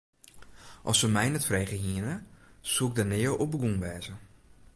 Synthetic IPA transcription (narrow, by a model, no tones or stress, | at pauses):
ʔɔ̰səmɛjnɛtfreːɣəhiənəsuɪk̚dənɪːəlobəɡunʋɛːzə